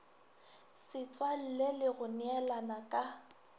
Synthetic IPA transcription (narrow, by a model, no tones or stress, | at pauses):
sɪt͡sʼwal̩lelɪɣʊnɛlanakʼa